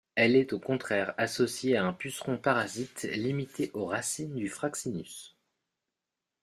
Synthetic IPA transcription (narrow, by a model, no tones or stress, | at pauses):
ɛlɛt̪okɔ̃t̪χɛʁasɔsjeaɛ̃pysχɔ̃paʁazit̪limit̪eʔoʁasind̪yfχaksiny̰s